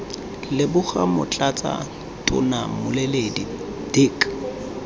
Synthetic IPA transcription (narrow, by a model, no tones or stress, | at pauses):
lɪbʊχamʊ̰t͡ɬʼat͡sʼa̰ | tʼʊ̰namʊlɪledḭ | d̥ɪkʼ